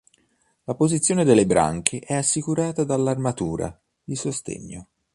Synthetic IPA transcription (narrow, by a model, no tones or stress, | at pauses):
lapozit̪sːjoːned̪elːebɾa̰ŋkʰeʔɛasːikuɾaːt̪ad̪alːarmat̪uːɾa̰ | d̪isost̪ḛɲːo